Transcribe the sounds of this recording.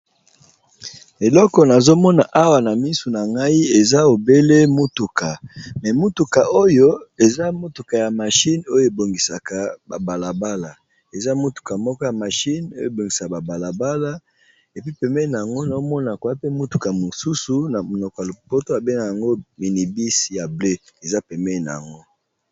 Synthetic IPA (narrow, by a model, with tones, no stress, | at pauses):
e˨lɔ˦kɔ˨na˨zo˦mɔ˦na˨ʔa˦wa˨na˨mi˦su˨na˨ŋɡa˦i˦e˨za˦o˨be˦le˦mo˦tu˨ka˨mɛ˨mo˦tu˨ka˨ʔo˦jo˦e˨za˦mo˦tu˨ka˨ja˨ma˨ʃi˦no˦jo˦e˨bo˨ŋɡi˨sa˨ka˨ba˨ba˨la˨ba˦la˨ | e˨za˦mo˦tu̥˨ka˨mɔ˦kɔ˦ja˨ma˨ʃi˦no˦jo˦˨e˨bo˨ŋɡi˨sa˨ka˨ba˨ba˨la˨ba˦la˦ | e˨pi˦pɛ˨mɛ˦na˨a˨ŋɡo˦na˨o˦mɔ˦na˨kwa˦pe˦mo˦tu˨ka˨mo˨su˦su˨na˨o˨nɔ˨ka˨lo˨po˦to˦a˨be˦ŋa˨ja˨ŋɡo˦mi˨ni˨bi˦sja˨ble˦e˨za˦pɛ˨mɛ˦˨na̰˨a̰˨ŋɡo˦